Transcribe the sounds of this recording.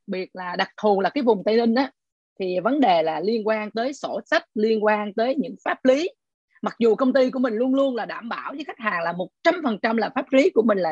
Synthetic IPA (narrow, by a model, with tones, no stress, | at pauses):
k̚ɓi˨˩ət̚laː˨˩ɗa˨˩k̚t̪ʰu˨˩laː˨˩kaː˨˦jvʊ˨˩ŋ͡mt̪ə˧lï˧ŋ̟ʔaː˨˦ | t̪ʰi˨˩və˨˦nɗe˨˩laː˨˩li˧ənkwaː˧nt̪əː˨˦jso˧˩sa˦˥t̚li˧ənkwaː˧nt̪əː˨˦jɲɨ̰˧˥ŋfaː˦˥p̚li˨˦ | ma˨˩k̚zu˨˩kə˧wŋ͡mt̪i˧k̬u˧˩əmï˨˩ŋ̟lu˧ənlu˧ənlaː˨˩ɗaː˧˩mɓaː˧˩wvə˨˦jxa˦˥jk̚haː˨˩ŋlaː˨˩mo˨˩t̚t͡ɕa˧mfə˨˩nt͡ɕa˧mlaː˨˩faː˦˥p̚li˨˦ku˧˩əmï˨˩ŋ̟la̰ː˨˩